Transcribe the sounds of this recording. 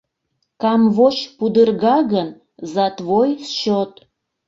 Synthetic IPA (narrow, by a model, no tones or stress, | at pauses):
kɑmvoʃpud̪ərɣɑɣən | zɑt̪βojsʃot̪